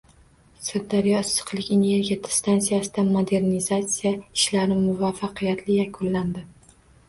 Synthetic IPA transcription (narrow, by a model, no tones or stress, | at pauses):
sɪɾd̪aɾjɒɪsɨ̥qlˠɪkʲene̞ɾɡʲiad̪ɪ̥st̪ʰansijasɪd̪amod̪e̞ɾnizat̪sijaɪʃlaɾɪmʊvafːɑqʰɨjat̪ʰlɪjakʰʊnland̪ɪ